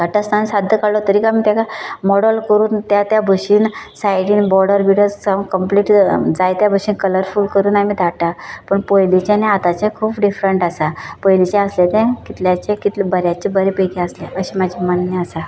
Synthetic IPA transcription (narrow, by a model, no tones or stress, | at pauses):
d̪ʱaʈːast̪ʰansad̪ʱjəkaɽlɔt̪əɾiːkamiːt̪jakamɔɽəlkəɾuːnt̪jat̪jabʱəɕiːnsajɽiːnbɔɾɽəɾʋiɽjɔt͡saŋkəmpliʈd͡zajt̪jabʱəɕiːnkələɾfuːlkəɾuːnamid̪ʱaʈapəɳpojlit͡ɕaneat̪at͡ɕakʰuːpɖifɾəɳʈasapəjlit͡ɕaəslet̪ãkit̪ljat͡ɕẽkit̪lebəɾjat͡ɕebəɾepəjkeəsleʔəɕimad͡ʑʱimanːjəasa